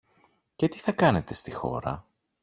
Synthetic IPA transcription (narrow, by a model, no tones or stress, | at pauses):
ce̞t̪i̥θɐkɐne̞t̪e̞st̪ixo̞̰ɾɐ̰